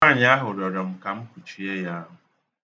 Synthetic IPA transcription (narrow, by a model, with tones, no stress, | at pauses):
a˦˨ɲ˦a˦ɦʊ˨ɾɔ˨ɾɔ˨m̩˨ka˨m̩˦kʷu˨t͡ʃi˨e˦ja˦ɦʊ˨